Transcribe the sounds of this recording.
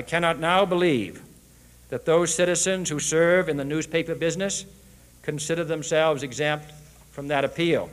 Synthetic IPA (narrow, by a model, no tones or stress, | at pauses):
aɪkʰænɑtⁿnaʊbəliv | ðɨt̪̚ðoʊz̥sɪɾɨzɨ̃nz̥husɜ˞vɨ̃nðɨnʉz̥pʰeɪpə˞bɪznɨs | kʰɨ̃nsɪɾə˞ðə̃msɛlˠvzɨɡzɛ̃mp̚t | fɹʌ̃mðɨɾɨpʰilˠ